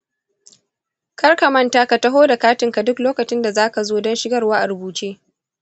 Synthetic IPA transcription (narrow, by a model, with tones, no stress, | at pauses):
kɐ˦rka˨mɐ˦ntaː˦ka˨tɐ˦ɦoː˦da˨kaː˦tɪ˨ŋka˨dʊ˦kloː˦kɐ˨t͡ʃɪ˦nda˨zaː˦ka˨zoː˦dɔ˦nʃɪ˦ɡɐ˦˨rwaː˦ʔa˨ɾʊ˨buː˨t͡ʃeː˦